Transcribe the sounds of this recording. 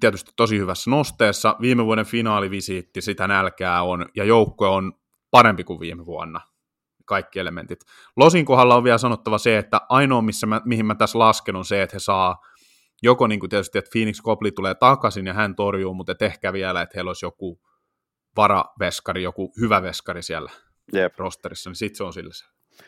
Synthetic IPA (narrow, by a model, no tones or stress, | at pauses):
t̪iæt̪yst̪i̥t̪t̪osihyʋæsːnost̪eːsːɑʋiːmeʋuɑɾeɱfinɑːliʋisit̪ːisit̪ænælkæːonjɑjoukːoeon | pɑɾempikuʋʋiːmeʋuɑ̰nːɑ | kɑikːielemḛnt̪it̪ | losiŋkoɦɑlːɑoʋiælsɑnot̪ːɑʋɑseet̪ːæʔɑinoːmisːæmæmihimæt̪æslɑskenunseet̪hesɑː | jokoniːŋkut̪iæt̪yst̪iet̪fiːnikskoplit̪uleːt̪ɑkɑsinjɑhænt̪orjuːmut̪et̪ehkæːʋiælæet̪heiloisjoku | ʋɑrɑ̰ʋeskɑrijokuhyʋæʋeskɑrisiælːæ | rost̪erisːɑnisit̪seõnsilːæse̥